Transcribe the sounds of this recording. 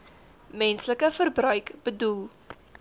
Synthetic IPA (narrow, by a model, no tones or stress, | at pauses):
mɛnsləkəfərbrœɥkb̥ədulˠ